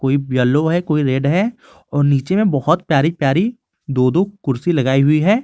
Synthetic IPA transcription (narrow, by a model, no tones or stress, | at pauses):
koːibjɐloɦɛkoːiɾeːɖɦɛ | ɔːɾniːt͡ʃemẽbɐhʊt̪pjaːɾipjaːɾi | d̪oːd̪okʊɾsilɐɡaːiɦʊiɦɛː